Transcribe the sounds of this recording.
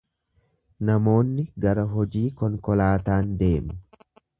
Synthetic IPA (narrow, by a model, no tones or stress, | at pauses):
nɐmo̞ːnːɪɡɐɾɐɦɔd͡ʒiːkɔŋkɔlaːt̪aːnd̪e̞ːmʊ